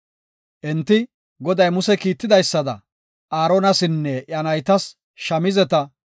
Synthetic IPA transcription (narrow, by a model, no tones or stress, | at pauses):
ʔɛnt̪ːɪ | ɡɔd̪ɐjmʊsɛkiːt̪ːɪd̪ɐjsːɐd̪ɐ̰ | ʔaːɾonɐsɪnːɛʔjɐnɐjt̪ɐs | ʃɐmɪzɛt̪ɐ